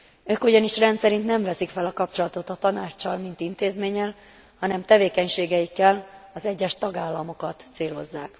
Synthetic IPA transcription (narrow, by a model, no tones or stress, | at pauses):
øːkoɟɒniʃrɛnt̪sɛɾint̪nɛɱvɛsikfɛlɒkɒpt͡ʃo̞lɒt̪o̞t̪ɒt̪ɒnaːt͡ʃːɒlmint̪int̪eːzmeːɲːɛl | hɒnɛmt̪ɛveːkɛɲʃeːɡɛjikːɛlɒzɛɟːɛʃt̪ɒɡaːlːɒmo̞kɒt̪seːlo̞zːaːk